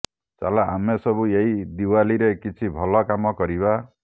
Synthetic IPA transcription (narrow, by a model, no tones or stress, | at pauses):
t͡ʃa̰laamesɔbueid̪iwaliɾekit͡ʃʰibʱɔlɔkamɔkɔɾiβa